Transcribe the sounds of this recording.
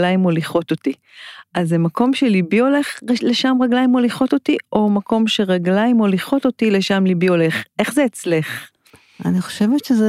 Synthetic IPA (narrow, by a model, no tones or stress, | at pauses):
laimoliχo̞to̞ti | azemakʰo̞mʃe̞libioleχleʃamʁaɡlaimoliχo̞totiʔo̞mako̞mʃe̞ʁaɡlaimoliχo̞to̞tileʃamlibioleχʔe̞χzeːt͡sleχ | a̰niχo̥ʃevetʃez